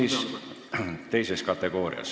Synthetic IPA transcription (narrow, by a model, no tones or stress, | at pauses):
is | t̪e̞jseskɑt̪ːˑe̞ɡ̥o̞ːɾḭɑ̰s